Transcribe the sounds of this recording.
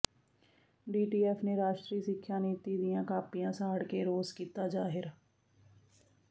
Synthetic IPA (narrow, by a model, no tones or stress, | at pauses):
ɖiːʈiːɛːpʰneːɾaːʃt̪ɾiːsɪkʰːjaːniːt̪iːd̪ɪjãːkaːpɪjãːsaːɽkeːɾoːzkiːt̪aːd͡ʒaːɦɪɾ